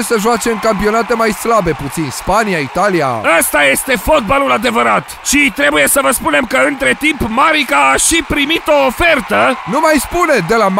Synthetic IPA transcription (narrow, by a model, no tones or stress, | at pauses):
səʒoat͡ʃe̞mkampio̞nat̪e̞majslabe̞put̪sinspanijait̪alija̰əst̪aje̞st̪e̞fo̞t̪̚balulad̪evəɾat̪ʃit̪ɾe̞buje̞səvəspune̞mkəɨnt̪ɾe̞t̪impmaɾikaːʃipɾimit̪o̞ːfe̞rt̪ənumajspune̞d̪e̞lam